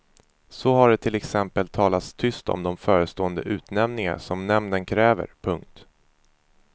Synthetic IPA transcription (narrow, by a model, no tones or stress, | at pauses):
sɔɦaɖɛt̪ʰɪlɛksɛmpəlt̪ʰɑːlat̪st̪ʰʏst̪ʰɔ̰md̪ɔmfœːɾəst̪oːənd̪əʔʉ̟ːt̪nɛmnɪŋa̰ʂɔmnɛmnənkʰɾɛːvə̰ɾpʰɵŋk̚t̪